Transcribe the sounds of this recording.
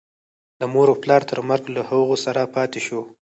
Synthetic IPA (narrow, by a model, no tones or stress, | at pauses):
d̪əmoɾoplɑɾt̪ʰəɾməɾɡlahəɣosaɾapɑt̪eʃo